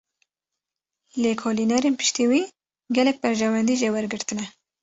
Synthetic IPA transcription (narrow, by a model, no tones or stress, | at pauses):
leːkʰoːliːnɛɾeːnpɨ̥ʃt̪eːwiː | ɡɛlɛk̚bɛɾʒɛwɛnd̪iːʒewɛɾɡɨɾt̪ɨnɛ